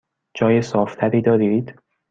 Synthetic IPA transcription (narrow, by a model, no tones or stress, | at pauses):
d͡ʒɒːjesɒːft̪ʰæɾiːd̪ɒːɾid̪̥